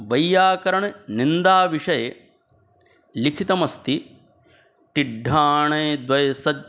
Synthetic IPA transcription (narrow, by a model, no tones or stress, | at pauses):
ʋɐjːaːkɐɾɐɳnind̪aːʋiʂɐje | likʰit̪ɐmɐst̪i | ʈ̪iɖʱːaːɳɐːd̪ʋɐjɐsɐ